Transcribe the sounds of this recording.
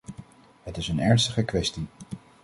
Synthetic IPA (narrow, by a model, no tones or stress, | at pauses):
ɦətɪsənɛɹnstəχəkʋɛsti